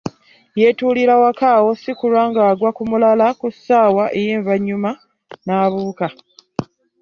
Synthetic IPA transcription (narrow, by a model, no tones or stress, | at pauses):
jetuːliɾawakaːwo̞sikulwaːŋɡaːɡwakumulalakusːaːwaʔe̞jeːɱvaɲːuma | naːβuːka